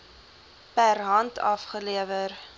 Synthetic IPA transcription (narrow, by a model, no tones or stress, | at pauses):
pærɦɐntʰɐ̰fχəliəvər